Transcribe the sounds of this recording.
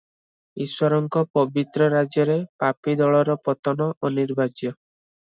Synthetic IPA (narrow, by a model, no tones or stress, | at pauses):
iswɔɾɔŋkɔpɔbit̪ɾɔɾad͡ʒjɔɾepapid̪ɔɭɔɾɔpɔt̪ɔnɔʔɔniɾbad͡ʒjɔ